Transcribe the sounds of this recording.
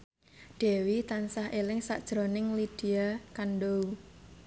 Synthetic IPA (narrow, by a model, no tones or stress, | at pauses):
ɖ̥ɛ̤wit̪ansahʔelɪŋsa̰ʔd̥ʒ̥ɾonɪŋlid̥iakanɖo